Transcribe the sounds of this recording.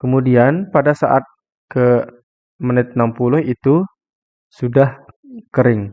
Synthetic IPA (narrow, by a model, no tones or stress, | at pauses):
kəmudianpadasaʔat̪̚ | kə | mənɪt̪̚nampulʊhit̪u | sudah | kəɾɪŋ